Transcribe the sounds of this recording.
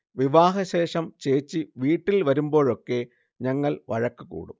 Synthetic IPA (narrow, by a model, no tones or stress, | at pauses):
ʋiʋaːɦɐɕe̞ːʂɐmt͡ɕe̞ːt͡ɕːiʋiːʈːilʋɐɾumbo̞ːɻo̞kːe̞ | ɲɐŋːɐɭʋɐ̰ɻɐkːukṵːɽṵm